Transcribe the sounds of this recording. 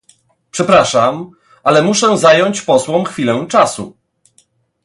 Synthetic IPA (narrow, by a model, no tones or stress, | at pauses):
pʂɛpɾaʂam | ʔalɛmuʂɛzajɔɲt͡ɕpɔswɔ̃mxfʲilɛ̃w̃t͡ʂasu